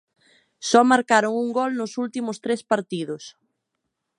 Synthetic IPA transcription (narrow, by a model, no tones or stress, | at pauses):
sɔmaɾkaɾʊŋuŋɡɔlnʊsult̪imʊst̪ɾespaɾt̪iðʊs